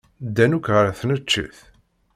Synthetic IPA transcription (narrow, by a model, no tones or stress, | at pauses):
d̪ːænukʁəɾθnət͡ʃːə̰θ